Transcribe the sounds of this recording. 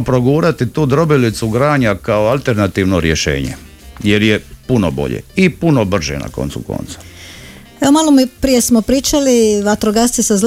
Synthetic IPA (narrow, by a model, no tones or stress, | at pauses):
pɾoɡuːɾat̪it̪uːd̪ɾo̞bilit̪suɡɾaːɲakaoalˠt̪eɾnat̪iːʋnoɾjeʃe̞̰ːɲḛ | jeɾjepunobo̞̰ʎḛipunobr̩ʒḛna̰ko̞̰nt̪suko̰nt̪sḁ | eomalˠomipɾije̞smopɾiːt͡ʃaliʋat̪ɾoɡast̪isaz